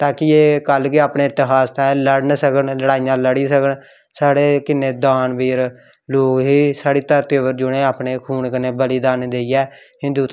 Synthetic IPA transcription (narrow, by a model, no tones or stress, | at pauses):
t̪ãːkɪeːkəlkɪaːpɳeːɪt̪ɪɦaːst̪ãːləɽnsəkənləɽaːijãːləɽiːsəkəɳ | saːɽeːkɪnːeːd̪aːnbiːɾ | loːkɦiːsaːɽiːt̪əɾt̪eːʋəɾd͡ʒʊɽẽːaːpɳeːkʰuːɳkəneːbəliːd̪aːnd̪eːiːɛː | ɦɪ̃nd̪uːt̪